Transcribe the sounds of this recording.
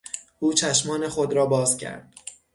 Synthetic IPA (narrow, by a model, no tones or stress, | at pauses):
ʔuːt͡ʃʰæʃmɒːnexod̪ɾɒːbɒːzcʲʰæ̰ɾd̪̥